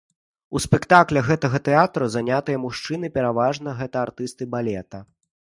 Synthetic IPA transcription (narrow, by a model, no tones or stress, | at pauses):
uspɛkt̪aklʲɛɣɛt̪ɐɣɐt̪ɛat̪ɾuzanʲat̪ɨjɐmuʂt͡ʂɨnɨpʲɛɾavaʐnɐɣɛt̪ɐart̪ɨst̪ɨbalʲɛt̪ɐ